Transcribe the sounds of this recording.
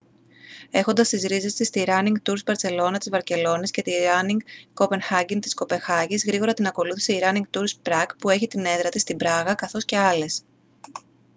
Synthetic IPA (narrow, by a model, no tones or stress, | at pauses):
e̞xo̞nd̪ɐst̪izɾize̞st̪ist̪iɾɐniŋɡt̪uɾzvɐɾt͡se̞lo̞nɐt̪izvɐɾce̞lo̞nisce̞t̪iɾɐniŋɡko̞penxɐɟiŋt̪isko̞pe̞nxɐʝizɣɾiɣo̞ɾɐt̪inɐko̞luθise̞iɾɐniŋɡt̪uɾspɾɐɡpue̞çit̪ine̞nðɾɐt̪ist̪ibɾɐɣɐkɐθo̞sce̞ɐle̞s